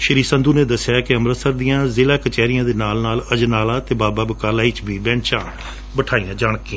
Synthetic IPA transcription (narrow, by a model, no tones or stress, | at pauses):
ʃəɾiːsənd̪uːneːd̪əsɪjaːkɪəmɾəsəɾd̪ijãːzeːlaːkət͡ʃɛːɾijãːd̪eːnaːlnaːləd͡ʒnaːlaːt̪eːbaːbaːbəkaːlaːit͡ʃbʱiːbɛ̃ːɳt͡ʃãː | bəʈʰaːijãːd͡ʒaːɳkiːã